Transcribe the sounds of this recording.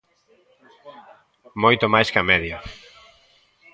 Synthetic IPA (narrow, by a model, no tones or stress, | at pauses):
mojt̪omajskɐmɛðja